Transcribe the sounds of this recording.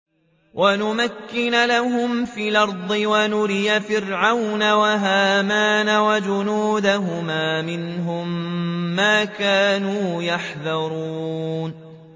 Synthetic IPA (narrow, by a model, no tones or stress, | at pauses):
wʔanʊmakːɪnalaɦʊmfiːlɑɾˤd̪ˤɨwanʊɾɪjafɪɾʕawnawaɦaːmaːnawad͡ʒʊnuːd̪aɦʊmaːmɪnɦʊmː | aːkaːnuːjaħðɑɾˤuːn